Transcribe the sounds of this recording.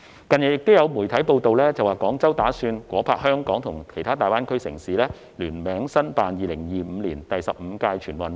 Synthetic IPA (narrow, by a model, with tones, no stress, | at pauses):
kɐ˨njɐ˨˩jɪ˨k̚t̪ʊ˥wjɐ˨˧wmuː˨˩jt̪ʰɐ˨˥jpo˧wt̪o˨wlɛː˥t͡sɐ˨waː˨˩kɔː˨˥ŋt͡sɐ˥wt̪aː˨˥syː˧nkʷɔː˨˥pʰaː˧k̚hœː˥ŋkɔː˨˥ŋt̪ʰʊ˨˩ŋkʰe˨˩jt̪ʰaː˥t̪aː˨jwaː˥nkʰɵ˥ɥsɪ̰˨˩ŋsiː˨˥lɛː˥ | lyː˨˩nmɛː˨˥ŋsɐ˥npaː˨njiː˨lɪ˨˩ŋjiː˨˩m̩ː˨˧liː˨˩nt̪ɐ˨jsɐ˨p̚m̩˨˧kaː˧jt͡ʃʰyː˨˩nwɐ˨n